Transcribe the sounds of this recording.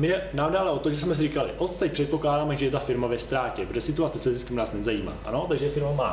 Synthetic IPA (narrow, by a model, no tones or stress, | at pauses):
mɪɛnaːmdaalɛʔo̞t̪oʒɛsmɛs̬ɪriːkalɪ̰ʔot̪t̪ɛc̚ʲpr̥ɛt̪̚po̞klaːdaːmɛʒɛɛt̪afɪɾmavɛst̪ɾaːcɛpɾoʒɛsɪt̪uat͡sɛsɛzɪskɛmnaːsnɛzajiːma̰ːʔanot̪aɡʒɛjɛfɪɾmomaː